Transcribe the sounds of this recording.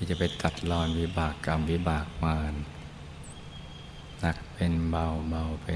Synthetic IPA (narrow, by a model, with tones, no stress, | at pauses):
i˧˩t͡ɕa˧˩pa˨˩t̪a˨˩t̪̚lɔː˧˩nwi˦˥baː˨˩kːa˧˩mwi˦˥baː˨˩k̚maː˧˩n | na˧˩k̚pe˧nba˧wba˧wpe˧